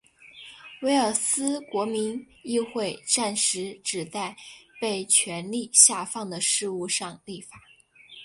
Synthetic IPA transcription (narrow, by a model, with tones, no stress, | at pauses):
we˥ɪə˞˨˩sɹ̩˥kwɔ˧˥mi˧˥n | i˥˧xwe˥˧ɪʈ͡ʂa˥˩nʂɻ̩˧˥ʈ͡ʂɻ̩˨˩t͡sa˥˧ɪpe˥˩ɪt͡ɕʰɥɛ˧˥nli˥˧ɕja˥˧fɑ˥˩ŋd̪ə˩ʂɻ̩˥˧u˥˧ʂɑ˥˧ŋli˥˩fa˨˩˦